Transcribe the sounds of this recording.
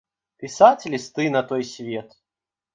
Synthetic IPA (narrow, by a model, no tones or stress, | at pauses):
pʲisat͡sʲlʲist̪ɨnɐt̪ɔjsʲvʲeɛt̪